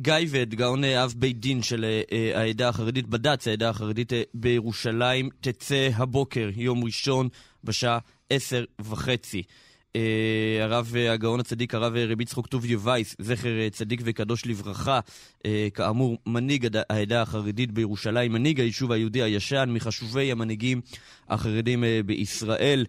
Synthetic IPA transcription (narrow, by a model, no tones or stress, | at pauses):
ɡajvedɡao̞neavbejdinʃeleaedaːχaʁeditbadat͡saedaːχaʁeditbejeʁuʃalaimt̪et͡se̞ɦabo̞ke̞ʁjo̞mʁiʃo̞n | beʃaa | ʔese̞ʁvaχe̞t͡si | eaʁaveaɡao̞nhat͡sadikaʁaveʁebitt͡sχoktuvjevajsze̞χeʁt͡sadikvekado̞ʃlivʁaχa | ʔekaːmuʁmaniɡaaedaːχaʁedit̚bejeʁuʃalaimːaniɡhajiʃuvajiudihajaʃanmiχaʃuve̞jhamaniɡim | ha̰χaʁedimbeʔisʁaʔe̞l